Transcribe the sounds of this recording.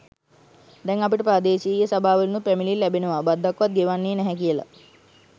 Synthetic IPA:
d̪ɛŋapiʈəpɾaːd̪eːʃijəsabʱaːʋəlnupɾæmililːæbenəʋabad̪ʱːakʋat̪̚ɡeʋanːeːnɛɦɛk̬ijəla̰

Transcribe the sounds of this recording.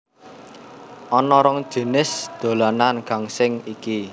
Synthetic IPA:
ʔɔnɔɾɔŋ̥ʒ̥i̤nɪsd̪̥o̤lananɡ̥a̤ŋsɪŋiki

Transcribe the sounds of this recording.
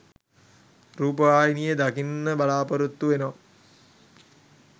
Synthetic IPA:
ɾuːpəʋaːjinijed̪akinːəbalaːpɐɾut̪ːuʋenəʋa

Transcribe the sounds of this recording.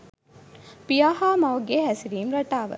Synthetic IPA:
pijaːhaːmɐʋɐɡeɦæsiɾiːmɾɐʈaːʋə̰

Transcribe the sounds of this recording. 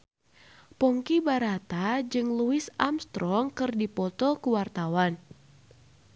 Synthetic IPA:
pɔŋkibaɾat̪ad͡ʒɨŋluɪsamst̪ɾɔŋkɨrdipɔt̪ɔkuwart̪awan

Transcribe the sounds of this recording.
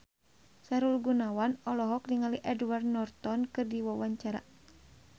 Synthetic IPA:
saɾulɡunawanɔlɔɦɔk̚niŋaliʔɛdward̪̚nɔrt̪ɔnkɨrdiwawaɲt͡ʃaɾa̰

